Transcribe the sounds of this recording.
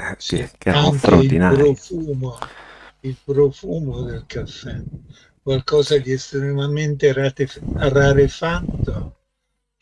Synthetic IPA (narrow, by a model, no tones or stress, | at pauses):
ikaŋkeiilpɾofuːmoilpɾofuːmod̪elkafːɛ | kwalkɔːzad̪iɛst̪ɾemament̪eat̪earaɾefat̪ːo